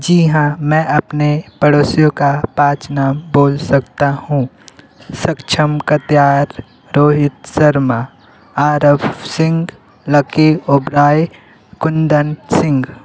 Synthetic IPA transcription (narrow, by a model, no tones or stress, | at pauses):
d͡ʒiɦãmɛ̃ːʔɐpnepəɽoːsijõkapaːt͡ʃnaːmboːlsɐkt̪ahũː | sɐkt͡ʃʰəmkɐt̪jaːɾː | oːɦɪt̪sɐɾma | aːɾəʋsɪ̃ŋɡ | lɐkeʊbɾaːj | kʊnd̪ənsɪ̃ŋɡ